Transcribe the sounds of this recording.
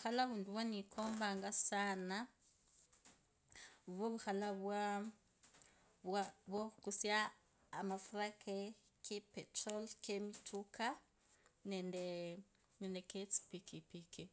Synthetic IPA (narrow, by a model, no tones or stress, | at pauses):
xalaβunduβwanikʰɔmbaŋɡasana | βoβuxalaβa | waβokusiaː | mafuɾakʰe | kʰepɛtrɔlkemitʰukʰa | nɛndɛ | nɛndɛket͡si̥pikipikʰi